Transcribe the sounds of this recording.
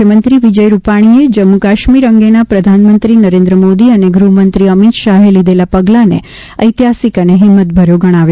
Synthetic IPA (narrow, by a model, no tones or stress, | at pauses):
jəmənt̪ɾiʋid͡ʒəjɾupaɽ̃ied͡ʒəmːukaʃmiɾəŋɡenapɾəd̪ʱanmənt̪ɾinəɾẽnd̪ɾəmod̪iəneɡɾuɦmənt̪ɾiəmit̪ʃaɦelid̪elapəɡlanḛ | əjt̪iɦasikəneɦɪmːət̪̚bʱəɾjoɡəɽ̃aʋjo